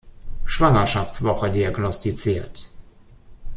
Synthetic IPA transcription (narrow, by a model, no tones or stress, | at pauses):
ʃv̥aŋɐʃaft͡sv̥ɔχədiaɡnɔstit͡siːɐt